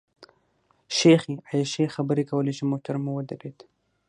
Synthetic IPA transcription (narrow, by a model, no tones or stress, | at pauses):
ʃexiajaʃexabəɾekawəleʃimot̪aɾmuwəd̪aɾet̪